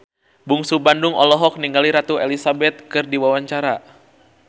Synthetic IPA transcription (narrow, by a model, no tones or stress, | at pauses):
buŋsubandʊŋɔ̰lɔɦɔk̚niŋɡaliɾat̪uelisabɛt̪̚kɨrdiwawaɲt͡ʃaɾa